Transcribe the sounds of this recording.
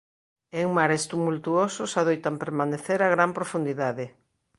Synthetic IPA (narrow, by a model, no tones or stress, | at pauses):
eŋmaɾest̪umult̪uososaðojt̪ampeɾmaneθeɾaɣɾampɾofund̪iðaðɪ